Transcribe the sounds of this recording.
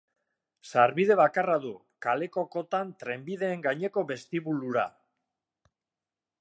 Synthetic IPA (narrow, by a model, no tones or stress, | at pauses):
saɾβiðe̞βakaraðu | kale̞ko̞ko̞t̪ant̪ɾe̞mbiðe̞ːŋɡaɲe̞ko̞βe̞st̪iβuluɾa̰